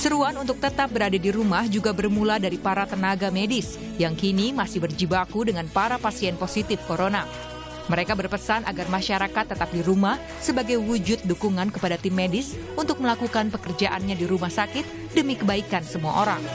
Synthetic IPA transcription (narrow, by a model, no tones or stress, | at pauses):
səɾuanunt̪ʊk̚t̪ət̪ap̚bəɾadadiɾumahd͡ʒuɡabərmuladaɾipaɾat̪ənaɡamedɪs | jaŋkinimasɪhbərd͡ʒibakudəŋanpaɾapasiɛnposit̪ɪfkoɾona | məɾekabərpəsanʔa̰ɡarmaʃaɾakat̪ːət̪ap̚diɾumah | səbaɡajwud͡ʒʊt̪̚dukuŋankəpadat̪ɪmːedɪs | unt̪ʊk̚məlakukanpəkərd͡ʒaʔanɲadiɾumahsakɪt̪̚ | dəmikəbaikansəmua̰ʔoɾaŋ